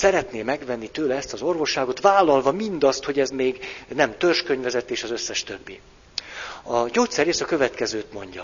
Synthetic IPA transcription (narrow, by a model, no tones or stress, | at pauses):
sɛɾɛt̪neːmɛɡvɛnːit̪øːlɛɛst̪ɒzo̞rvo̞ʃːaːɡo̞t̪ʋaːlːɒlvɒmind̪ɒst̪ho̞ɟɛzmeːɡnɛmt̪ørʃkøɲvɛzɛt̪ːeːʃɒzøsːɛʃt̪øbːi | ɒɟoːt̪sɛrɾeːsɒkø̞vɛt̪kɛzøːt̪mo̞ɲɟɒ̰